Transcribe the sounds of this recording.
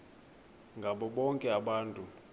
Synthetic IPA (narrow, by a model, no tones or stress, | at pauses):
ŋɡʱaɓɔɓɔŋkʼɛaɓaːntʼu